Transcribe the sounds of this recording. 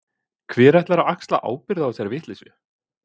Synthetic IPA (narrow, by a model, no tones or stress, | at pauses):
kʰvɛːɾɛht̪laɾaakst̪la̰ʔa̰ːwpɪɾðaawsɛɾavɪht̪lisʏ